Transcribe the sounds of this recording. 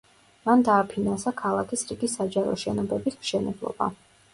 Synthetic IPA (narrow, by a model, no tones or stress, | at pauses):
mand̪aːpʰinansakʰalˠakʰisɾiɡisːad͡ʒaɾɔ̰ʃɛnɔbɛbismʃɛnɛblˠɔ̰ba̰